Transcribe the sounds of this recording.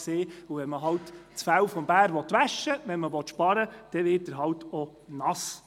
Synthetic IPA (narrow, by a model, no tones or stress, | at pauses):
seːuvɛnməɦɑltt͡sfæwfɔmb̥æːɾʋɔt̪ʋæʃːəʋɛnməʋɔt̪ʃpɑɾəd̥ɛʋɪːt̚dəɾɦɑlt̪onɑs